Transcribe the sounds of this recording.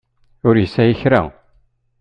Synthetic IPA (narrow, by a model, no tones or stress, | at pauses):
ʊɾjəsæjəçɾæ̰